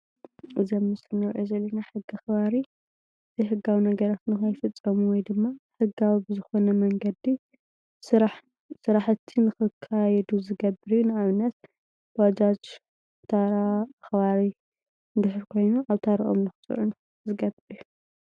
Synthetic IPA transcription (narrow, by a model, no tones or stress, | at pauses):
ɨzɐmːɨsɨnɨwʕozɐlːɐnaħɨɡiaxβaɾi | ɨzʰijħɨɡːawinɐɡɐɾat̪nɨxajfɨt͡sʼːɐmuwɔjd̪ɨmːaħɨɡawibɨzɨxo̞nɐmɐŋɡɐd̪i | sɾa | sɨɾaħt̪ʰːinɨxɨkʰːajɛd̪uzɨɡɐbːɨɾjunɨaβnɐt̪̚ | bad͡ʒat͡ʃ | t̪ʰaɾaaxβaɾi | d̪ɨhɨɾkʰo̞jnuʔaβt̪ʰaɾiʔo̞̰mnɨxɨt͡sʼɨ̰ʕun | zɨɡɐbɨɾju